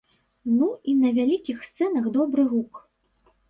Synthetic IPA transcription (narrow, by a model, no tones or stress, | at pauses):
nuinɐvʲalʲikʲixst̪sɛnɐxd̪ɔbɾɨɣuk